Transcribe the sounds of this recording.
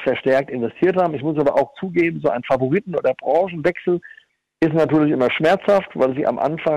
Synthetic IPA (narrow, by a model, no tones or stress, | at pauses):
fɛɐʃtɛɐk̚tɪnvɛstʰiːɐthaːbm̩ɪçmʊs̬aːbɐʔaʊxt͡suːɡeːbm̩zoːʔaɪnfavoʁitn̩ʔo̰ːdɐbʁɑ̃ːʃn̩vɛksl̩ | ʔɪstnatyːɐlɪçʔɪmɐʃmɛɐt͡shaftva̰ɪlziːʔa̰mʔa̰nfa